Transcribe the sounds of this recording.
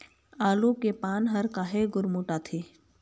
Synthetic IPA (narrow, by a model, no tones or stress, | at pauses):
aːlukepaːnɦɐɾkaːɦeɡʊɾmuːʈaːt̪ʰeː